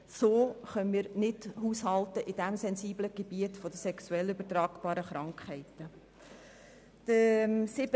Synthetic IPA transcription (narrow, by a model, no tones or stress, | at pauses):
soːχœnmiːɾnɪdhuːshɑltəʔɪd̥æmsɛnziːbləɡ̥eb̥iətfɔd̥əsɛksuɛlybətɾɑːɡb̥ɑːɾəχɾɑŋkχhɛɪtə | d̥əmsɪb